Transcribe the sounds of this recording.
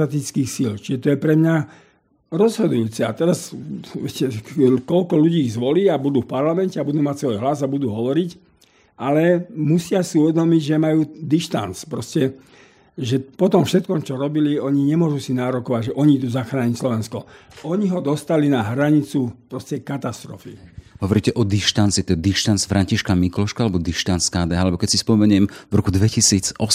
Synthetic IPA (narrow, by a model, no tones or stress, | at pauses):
at̪it͡skiːxsilt͡ʃiʒɛt̪ɔjɛpɾɛmɲa | ɾɔzɦɔd̪ujuːt͡sɛa̰t̪ɛɾasʋɛcɛkɔlkɔluɟiːzʋɔliːabud̪uːfpaɾlamɛncɛabud̪uːmacsʋɔjɦlazabud̪uːɦɔʋɔɾic | ʔalɛmusɪasiuʋɛd̪ɔmiɟʒɛmajuːd̪iʃt̪a̰nt͡spɾɔscɛ | ʒɛpɔt̪ɔmfʃɛt̪kɔmt͡ʃɔɾɔbiliɔɲiɲɛmʊɔʒusinaːɾɔkɔʋaɟʒɛʔɔɲid̪uːzaxɾaːɲicslɔʋɛnskɔɔɲiɦɔd̪ɔst̪alinaɦɾaɲit͡supɾɔscɛkat̪ast̪ɾɔ̰fiɦɔʋɔɾiːcɛʔɔd̪iʃt̪ant͡sit̪ɔd̪iʃt̪ant͡sfɾʔaɲciʃkamiklɔʃkaalɛbɔd̪iʃt̪ant͡skaːd̪ɛːalɛbɔkɛcsispɔmɛɲɪɛmvɾɔkud̪ʋɛcisiːt͡sɔ